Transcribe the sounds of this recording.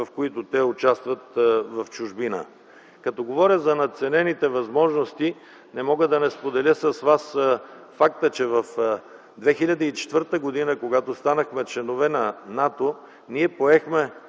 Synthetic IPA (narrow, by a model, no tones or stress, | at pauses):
vɐfkoit̪ʊt̪ɛʊt͡ʃast̪vɐt̪vɐft͡ʃʊʒbinə̰ | kɐt̪ɔɡovɔɾʲəzɐnɐt̪t̪sɛnɛnit̪ɛvɐzmɔʒnost̪i | nɛmɔɡəd̪ɐnɛspod̪ɛlʲəsɐsvas | fakt̪ət͡ʃɛvɐf | d̪vɛxilʲɐd̪əit͡ʃɛ̥t̪vəɾt̪əɡod̪inəkoɡat̪ost̪anəxmɛt͡ʃlɛnovɛnɐnat̪o | niɛpoɛxmɛ